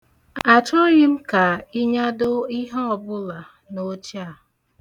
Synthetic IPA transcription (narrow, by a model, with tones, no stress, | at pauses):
a˨t͡ʃɔ˦ɾɪ˦m̩˦ka˨i˦ɲa˦dʊ˦i˦ɦɔ˦ɔ˨bʊ˦la˨ | no˦t͡ʃi˦a˨